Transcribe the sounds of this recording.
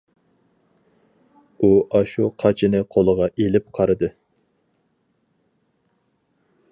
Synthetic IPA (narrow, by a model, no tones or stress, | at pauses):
uʔɑʃuqʰɑt͡ʃʰɪnɨqʰolˠəʁɑʔelɪp̚qʰɑɾɨd̪ɨ